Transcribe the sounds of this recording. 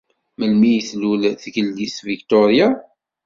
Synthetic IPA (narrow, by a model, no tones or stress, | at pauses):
məlmijəθlulθɡəlːisvikt̪ɔɾja